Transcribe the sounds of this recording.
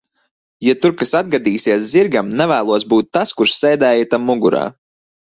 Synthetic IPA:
jat̪uɾkasad̪̚ɡad̪iːsiɛsziɾɡamnɛvæːlˠuɔsbuːt̪ːaskuɾʃsɛjd̪ɛːjat̪amːuɡuɾa̰ː

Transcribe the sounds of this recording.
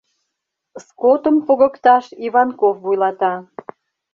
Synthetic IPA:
skot̪əmpoɣə̆kt̪ɑʃiβɑnkofvujlɑt̪ɑ

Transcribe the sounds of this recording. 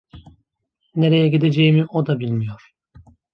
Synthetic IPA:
ne̞ɾejɛɟid̪e̞d͡ʒejimiʔod̪abilʲmijo̞ɾ̥

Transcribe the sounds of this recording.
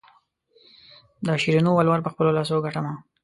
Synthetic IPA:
d̪əʃiɾinowalwaɾpəxpəlolɑs̬oɡaʈama

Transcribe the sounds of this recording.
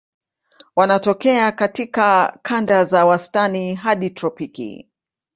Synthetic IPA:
wanatɔkɛakatikakʰandazawastaniɦaɗitɾɔpikḭ

